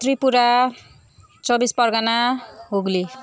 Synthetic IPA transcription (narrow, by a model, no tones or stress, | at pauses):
t̪ripuɾa | t͡sʌbispʌrɡanaɦuɡli